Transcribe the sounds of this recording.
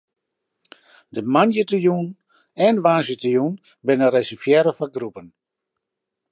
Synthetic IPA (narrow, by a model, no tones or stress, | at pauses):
dəmanjətəjuːn | ɛnʋaːsjətəjun | bɪnərɛsəfjɛɾəfaɡrupən